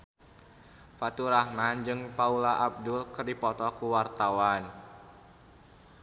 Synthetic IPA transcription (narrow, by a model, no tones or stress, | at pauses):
fat̪uɾahmand͡ʒɨŋpaulaʔab̚dulkɨrdipɔt̪ɔkuwart̪awan